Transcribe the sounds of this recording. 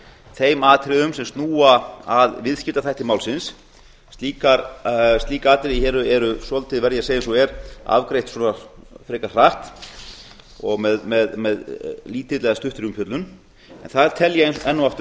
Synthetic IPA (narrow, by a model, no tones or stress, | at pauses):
θejmaːt̪ʰɾɪðʏmsɛmst̪nuːaaðvɪðscɪlt̪aθajht̪ɪmaːwlsɪnsː | t̪iːkaɾst̪iːkaaːt̪ɪɾɪçɛːɾʏɛɾʏsɔlt̪ʰɪðvɛɾðjɛaseːjɛnsɔɛɾa̰vkɾejht̪sɔnafɾeːkar̥aht̪ | ɔɣmɛðmɛðmɛðliːt̪ɪt̪lɛɣast̪ʏht̪ɾiʏmpjœt̪lʏn | ɛ̰nθaðt̪ʰɛljɛɛnːʏaft̪ʏ